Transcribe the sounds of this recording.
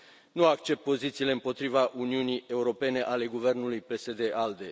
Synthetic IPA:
nuakt͡ʃe̞p̚t̪̚po̞zit̪sile̞ɨmpo̞t̪ɾivaʔuniunije̞uɾo̞pe̞ne̞ʔale̞ɡuve̞rnulujpe̞se̞d̪e̞ʔald̪e̞

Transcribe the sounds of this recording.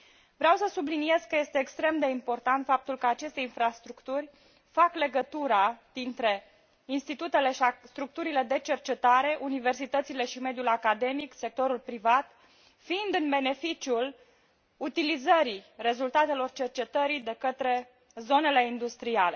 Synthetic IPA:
vɾeawsəsublinije̞zkəje̞st̪e̞ːkst̪ɾe̞md̪e̞impo̞rt̪ant̪fap̚t̪ulkəat͡ʃe̞st̪e̞infɾast̪ɾukt̪urʲ | fakle̞ɡət̪uɾad̪̥int̪ɾe̞ | inst̪it̪ut̪e̞le̞ʃist̪ɾuk̚t̪uɾile̞d̪e̞t͡ʃe̞rt͡ʃe̞t̪aɾe̞ʔunive̞rsit̪ət̪sile̞ʃime̞d̪ijulakad̪e̞mikse̞k̚t̪o̞ɾulpɾivat̪ | fiːnd̪ɨnbe̞ne̞fit͡ʃiul | ut̪ilizəɾire̞zult̪at̪e̞lo̞rt͡ʃe̞rt͡ʃe̞t̪əɾid̪e̞kət̪ɾe̞ | zo̞ne̞le̞ind̪ust̪ɾiale̞

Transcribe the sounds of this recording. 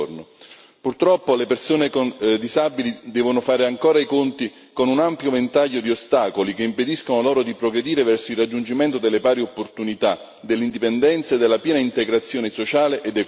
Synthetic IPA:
rno | purt̪ɾɔpːolepersoːnekond̪izabilid̪ɛːvonʊfaːɾeaŋkoːɾaikont̪i | konunampjovent̪aʎːod̪iost̪aːkolikeimped̪iskonolɔːɾod̪ipɾoɡɾed̪iːɾevɛrsoilrad͡ʒːund͡ʒimɛnt̪od̪elːepaːɾiopːort̪unit̪a | d̪elːind̪ipend̪ɛnt̪saed̪ːelːapjɛːnaint̪eɡɾat̪sːjoːnesot͡ʃaːleʔed̪ːek

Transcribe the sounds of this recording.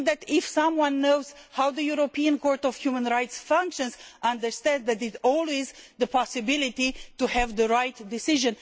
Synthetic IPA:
d̪ætɪfsʌ̃mwʌ̃nːoʊz̥hawd̪əjuɾopiə̃nkɔɹtɔv̥hjumə̃nɹajtsfʌ̃ŋkʃə̃nzʔʌ̃ndə˞stɛ̃ndðætɪtɔlwezd̪əpʰɑsɨbɪlitituhævd̪əɹajtdɪsɪʒɨ̃n

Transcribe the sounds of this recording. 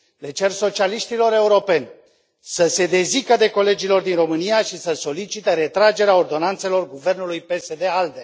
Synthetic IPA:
le̞t͡ʃe̞rso̞t͡ʃialiʃt̪ilo̞ɾe̞uɾo̞pe̞nʲ | səse̞d̪e̞zikəd̪e̞ko̞le̞d͡ʒilo̞rd̪inro̞mɨnijaʃisəso̞lit͡ʃit̪eɾe̞t̪ɾad͡ʒe̞ɾeaord̪o̞nant̪se̞lo̞rɡuve̞rnulujpe̞se̞d̪e̞ald̪e̞

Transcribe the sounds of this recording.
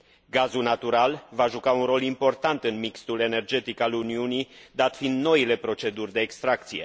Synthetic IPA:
ɡazulnat̪uɾalvaʒukaunɾo̞limpo̞rt̪ant̪ɨnmikst̪ule̞ne̞rd͡ʒe̞t̪ikaluniunid̪at̪find̪no̞ile̞pɾo̞t͡ʃe̞d̪urʲd̪e̞ːkst̪ɾak̚t̪sije̞̰

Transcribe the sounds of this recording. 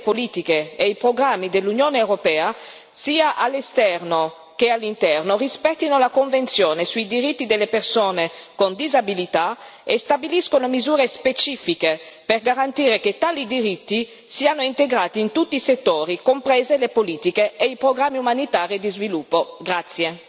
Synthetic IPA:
poliːt̪ikeeipɾoɡɾamːid̪elːunjoːneewɾopɛːa | siːaʔalːest̪ɛrno | k̟ealːint̪ɛrnorispɛt̪ːinolakoɱvent̪sjoːnesuid̪iɾit̪ːid̪elːepersoːnekond̪izabilit̪aest̪abiliskonomizuːɾespet͡ʃiːfike | perɡaɾant̪iːɾeket̪ːaːlid̪iɾit̪ːi | siːanoint̪eɡɾaːt̪iːnt̪ut̪ːiːset̪ːoːɾikompɾɛːzelepoliːt̪ikeeipɾoɡɾamːiumanit̪aːɾid̪izvilupːoɡɾat̪sːje

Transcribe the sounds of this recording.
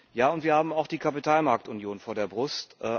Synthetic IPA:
jaːʊntv̥iːɐhaːbm̩aʊxd̥iːkʰapitʰaːlmaɐk̚tʊnjoːnfoːɐdeːɐbʁʊstʔɛ

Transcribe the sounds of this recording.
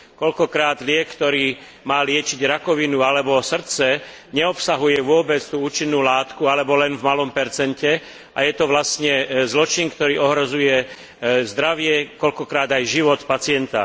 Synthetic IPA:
kɔʎkɔkɾaːd̪lɪɛkkt̪ɔɾiː | maːlɪɛt͡ʃiɟɾakɔʋinualɛbɔsr̩t͡sɛ | ɲɛɔpsaɦujɛʋʊɔbɛt͡st̪uːuːt͡ʃinːuːlaːt̪kualɛbɔlɛnvmalɔmpɛɾt͡sɛncɛ | ʔa̰jɛt̪ɔʋlastɲɛzlɔt͡ʃinkt̪ɔɾiːɔɦɾɔzujɛ | zd̪ɾaʋɪɛkɔʎkɔkɾaːd̪ajʒiʋɔt̪pat͡sɪɛnt̪a̰

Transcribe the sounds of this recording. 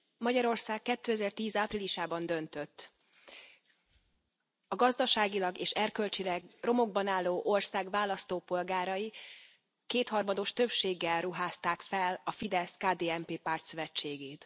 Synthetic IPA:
mɒɟɒɾo̞rsaːkːɛt̪ːøːɛzɛrt̪iːzaːpriliʃaːbɒnd̪ø̞nt̪ø̞t̪ː | ɒɡɒzd̪ɒʃaːɡilɒɡeːʃɛrkø̞lt͡ʃilɛɡro̞mo̞ɡ̚bɒnaːlːoːʔo̞rsaːɡvaːlːɒst̪oːpo̞lɡaːɾɒji | keːt̪hɒrmɒd̪o̞ʃt̪ø̞pʃeːɡːɛlruɦaːst̪aːkfɛlɒfid̪ɛskaːd̪eːɛmpeːpaːrt̪søvɛt͡ʃːeːɡeːt̪

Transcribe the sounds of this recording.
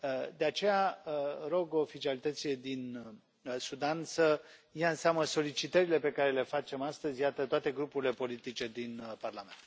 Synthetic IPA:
d̪e̞at͡ʃe̞jaəɾo̞ɡo̞ːfit͡ʃialit̪ət̪sije̞d̪in | sud̪ansə | jaɨnseaməso̞lit͡ʃit̪əɾile̞pe̞kaɾe̞le̞fat͡ʃe̞mast̪əzʲjat̪ət̪oat̪e̞ɡɾupuɾʲile̞po̞lit̪it͡ʃe̞d̪inparlame̞nt̪

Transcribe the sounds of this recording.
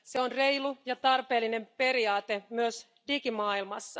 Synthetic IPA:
se̞onre̞jlujɑt̪ɑrpe̞ːlːine̞mpe̞ɾiɑːt̪emyøs | dikimɑːilmɑsːɑ

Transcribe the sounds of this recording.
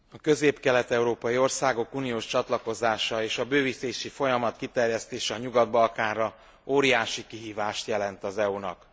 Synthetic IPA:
ɒkø̞zeːpkɛlɛt̪ɛuɾoːpɒjio̞rsaːɡo̞kuːnijoːʃt͡ʃɒt̪lɒko̞zaːʃɒeːʃɒbøːviseːʃifo̞jɒmɒt̪kit̪ɛrjɛst̪eːʃɛɒɲuɡɒd̪bɒlkaːnrɒ | oːɾijaːʃikiɦiːvaːʃt̪jɛlɛnt̪ɒzɛunɒ̰k

